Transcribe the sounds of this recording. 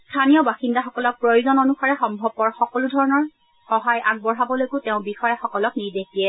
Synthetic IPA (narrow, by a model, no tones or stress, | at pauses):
stʰanijɔbaxindaxɔkɔlɔk̚pɹojuzɔnonuxaɹɛxɔmbʱɔbːɔɹxɔkɔludʱɔɹɔnɔɹ | xɔɦajʔaɡ̚bɔɹabɔlojkʊteʊ̃bixɔjaxɔkɔlɔkniɹdexdiɛ